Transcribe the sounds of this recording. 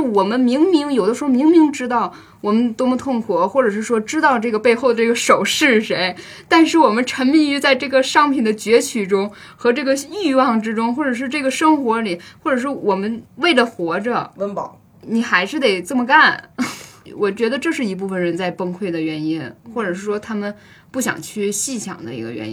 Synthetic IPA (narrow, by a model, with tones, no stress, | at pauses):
wɔ˨˩mə˦nmi˧˥ŋmi˧˥ŋjo˨˩ʊd̪ə˦ʂɻ̩˧˥xo˥˧mi˧˥ŋmi˧˥ŋʈ͡ʂɻ̩˥t̪ɑ˥˩ʊ | wɔ˨˩mə˦nt̪o˥mə˧t̪ʰʊ˥˩ŋkʰwɔ˧˥xwɔ˥˩ʈ͡ʂɤ˨˩ʂ̬ɻ̩˥˩ʂwɔ˥ʈ͡ʂɻ̩˥t̪ɑ˥˧ʊʈ͡ʂɤ˥˩ɡə˩pe˥˧ɪxo˥˧ʊd̪ə˩ʈ͡ʂɤ˥˩ə˩ʂo˨˩ʊʂɻ̩˥˩ʂe˧˥ɪ | t̪a˥˧nʂɻ̩˥˩wɔ˨˩mə˦nʈ͡ʂʰə˧˥ŋmi˥˩y˧˥t͡sa˥˧ɪʈ͡ʂɤ˥˩ɡə˩ʂɑ˥ŋpʰi˨˩nd̪ə˦t͡ɕɥɛ˧˥t͡ɕʰy˨˩ʈ͡ʂʊ˥ŋ | xɤ˧˥ʈ͡ʂɤ˥˩ɡə˩y˥˧wɑ˥˩ŋʈ͡ʂɻ̩˥ʈ͡ʂʊ˥ŋxwɔ˥˩ʈ͡ʂɤ˨˩ʂ̬ɻ̩˥˧ʈ͡ʂɤ˥˩ɡə˩ʂɤ˥ŋxwɔ˧˥li˨˩˦xwɔ˥˩ʈ͡ʂɤ˨˩ʂ̬ɻ̩˥˩wɔ˨˩mə˦nwe˥˩ɪlə˩xwɔ˧˥ʈ͡ʂə˧ə˧˥pɑ̰˨˧˦ | ni˨˩xa˧˥ɪʂɻ̩˥˩t̪e˨˩ɪt͡sə˥˩mə˩ka˥˩n | wʔɔ˨˩t͡ɕɥɛ˧˥d̪ə˧ʈ͡ʂɤ˥˧ʂɻ̩˥˩i˧˥p̬u˥˩fə˩nɻə˧˥nt͡sa˥˩ɪpə˥ŋkʰwe˥˩ɪd̪ə˩ɥɛ˧˥ni˥nxwɔ˥˩ʈ͡ʂɤ˨˩ʂɻ̩˥˩ʂwɔ˥t̪ʰa˥mə˨n | pu˥˩ɕjɑ̰˨˩ŋt͡ɕʰy˥˧ɕi˥˩t͡ɕʰjɑ̰˨˩ŋd̪ə̰˦ḭ˧˥ɡə̰˧ɥɛ̰˧˥i˥